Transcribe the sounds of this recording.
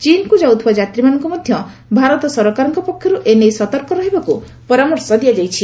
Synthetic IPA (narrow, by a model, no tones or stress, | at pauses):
t͡ʃinkud͡ʒawt̪ʰubad͡ʒat̪ɾimanɔŋkɔmɔd̪ʱjɔ | bʱaɾɔt̪ɔsɔɾɔkaɾɔŋkɔpɔkʰːjɔɾuʔenejsɔt̪ɔɾkɔɾɔɦibaku | pɔɾamɔɾsɔd̪ijad͡ʒajt͡ʃʰi